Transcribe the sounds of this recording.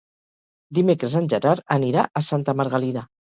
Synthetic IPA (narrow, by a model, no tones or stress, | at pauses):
d̪imekɾəzənʲʒəɾaɾəniɾa̰ʔəsant̪əməɾɣəlina